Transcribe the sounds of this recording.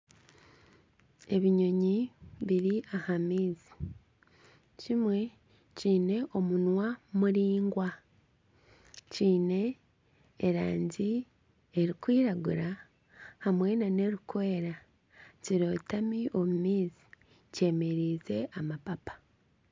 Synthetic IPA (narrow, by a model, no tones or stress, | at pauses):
e̞βiɲo̞ɲiβiɾiʔahamiːzi | cimwe̞ | ciːne̞ʔo̞munwamuɾiːŋɡwa | ciːne̞ː | ɾa̰ːɲɟi | eɾikwiːɾaɡuɾa | hamwe̞nane̞ɾukwe̞ːɾa | ciɾo̞ːtamiʔo̞mumiːzi̥ | ce̞ːme̞ɾiːze̞ʔamapapḁ